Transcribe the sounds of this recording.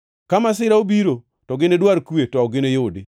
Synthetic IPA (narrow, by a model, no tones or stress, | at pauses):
kamas̬ɪɾaobiɾo | tɔɡɪnedwaɾkwetɔɔɡɪnejdɪ